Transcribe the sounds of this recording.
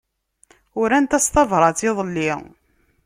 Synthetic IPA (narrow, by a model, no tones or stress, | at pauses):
ʊɾænt̪æst̪ˤɑvɾˤɑt͡siðˤəlːi